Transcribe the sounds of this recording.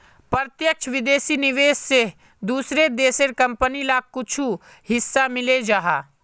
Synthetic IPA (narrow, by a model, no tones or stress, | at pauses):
pəɾt̪jəkt͡ʃʰʋɪd̪eːsinɪʋeːsːe | d̪uːsɾed̪eːseɾkɐ̃mpənilaːkkːʊt͡ʃʰu | hɪsːamɪled͡ʒaːɦaː